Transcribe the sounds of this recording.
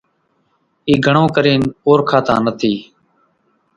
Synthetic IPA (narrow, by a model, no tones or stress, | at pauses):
iːɡʱəɳõːkəɾiːnpoːɾkʰaːt̪ãːnət̪ʰiː